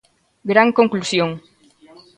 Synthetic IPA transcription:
ɡɾaŋkoŋklusjoŋ

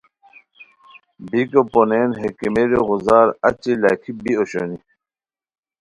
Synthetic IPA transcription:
bikoponenɦekimeɾiɣuzaːɾɐ̰t͡ɕilaːkʰibioɕoni

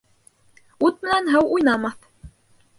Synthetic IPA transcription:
ut̪̚mɘ̆nænɦɤwujnɑmɑθ

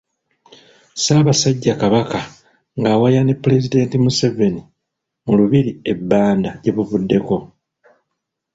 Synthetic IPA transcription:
saːβasaɟːakaβaka | ŋɡaːwajanepːle̞zide̞ːntimuseve̞ni | muluβiɾie̞bːaːndaɟe̞βuβudːe̞ko̞

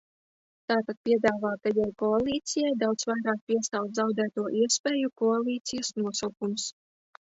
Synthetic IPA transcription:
t̪aːt̪at̪̚pʲiɛd̪aːvaːt̪ajajkɔalˠiːt̪sijajd̪awt̪svajɾaːk̚pʲiɛst̪awt̪zawd̪æːt̪uɔʔiɛspʲeːjukɔalˠiːt̪sijəsnuɔsawkums

